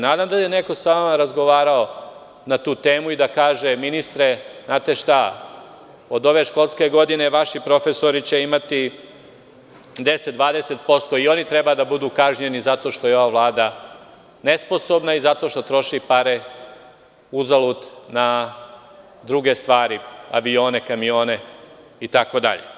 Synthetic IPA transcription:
naːd̪amd̪ajene̞ko̞saʋamaɾazɡo̞ʋaːɾao | nat̪uːt̪e̞ːmuid̪akaːʒeminist̪ɾeznaːt̪e̞ʃt̪a | o̞d̪o̞ʋe̞ʃko̞lˠske̞ɡo̞d̪ine̞ʋaʃipɾo̞fe̞so̞ɾit͡ɕe̞imat̪i | d̪eset̪d̪ʋaːd̪ese̞t̪po̞st̪o̞io̞nit̪ɾebad̪abud̪uːkaʒɲe̞nizat̪o̞ʃt̪o̞jo̞ʋaʋlˠaːd̪a | ne̞sposo̞bnaizat̪o̞ʃt̪o̞t̪ɾo̞ʃipaɾe | uzalˠut̪na | d̪ɾuɡe̞st̪ʋaːɾia̰ʋio̞ːne̞kamio̞ːne̞ | it̪ako̞d̪a̰ʎḛ

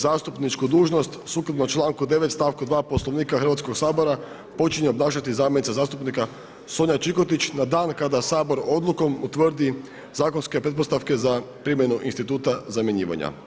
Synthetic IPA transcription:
zaːst̪upnit͡ʃkud̪uːʒno̞st̪suklab̪not͡ʃlˠaːŋkud̪e̞ʋe̞t̪st̪aʋkud̪ʋaːpo̞slˠo̞ʋniːkaxɾr̩ʋat̪sko̞ɡsaːbo̞ɾa | po̞t͡ʃiɲeoblˠaːʃat̪izaːmjnit̪sazaːst̪upnika | soɲat͡ʃikot̪it͡ɕnad̪aːnkad̪asaːbo̞ɾo̞d̪lˠuko̞mut̪ʋər̩d̪i | zaːkonske̞pɾe̞t̪p̬o̞st̪aʋke̞za | pɾimje̞nuʔinst̪it̪uːt̪azamjeɲḭːʋa̰ɲa̰

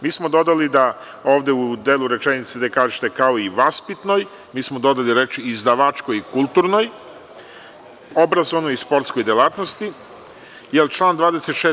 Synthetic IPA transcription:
miːsmo̞d̪o̞d̪alid̪a | o̞ːʋd̪e̞ud̪eːlˠuɾe̞t͡ʃenit̪sed̪ekaːʒet̪e̞kao̞iʋaspit̪no̞j | miːsmo̞d̪o̞d̪aliɾet͡ʃiːzd̪aʋat͡ʃko̞jikulˠt̪uːɾno̞j | o̞bɾazonojispo̞ɾt̪sko̞jd̪elˠaːt̪no̞st̪i | jelt͡ʃlˠaːnd̪ʋaːd̪e̞set̪ʃe

